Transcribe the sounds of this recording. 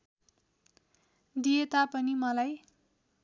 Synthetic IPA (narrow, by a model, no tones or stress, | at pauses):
d̪ijet̪apʌnimʌlaj